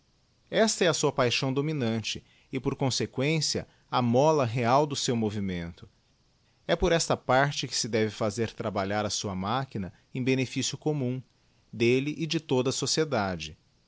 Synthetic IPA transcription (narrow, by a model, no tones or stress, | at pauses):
ɛst̪ɐɛɐsuɐpajʃɐ̃w̃d̪ominɐ̃t͡ʃɪ | ɪpoɾkõsekwẽsiɐ̰ | ɐmɔlɐɦeawd̪ʊsewmovimẽnt̪ʊ | ɛpoɾɛst̪ɐpaɾt͡ʃɪkɪ̥sɪd̪ɛvɪfazeɾt̪ɾabaʎaɾɐsuɐmakinɐ | ẽj̃benefisjʊkomũ | d̪elɪʔɪd͡ʒɪt̪od̪ɐsosied̪ad͡ʒɪ